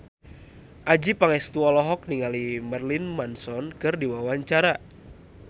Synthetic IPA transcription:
ʔad͡ʒipaŋɛst̪uɔlɔɦɔk̚niŋalimarlinmansɔnkɨrdiwawaɲt͡ʃaɾa

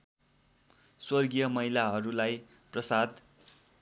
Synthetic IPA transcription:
swʌrɡijʌmʌɦilaɦʌɾulaj | prʌsad̪

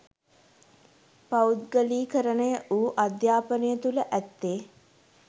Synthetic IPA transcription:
paut̪ɡəliːkəɾənəjəʔuːʔad̪jaːpənəjət̪uləʔæt̪ːeː

